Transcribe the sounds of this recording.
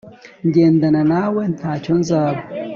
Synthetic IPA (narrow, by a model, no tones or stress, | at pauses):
ndʲend̪ɐnɐnaːwent̪ʰat͡ʃʰonzaːb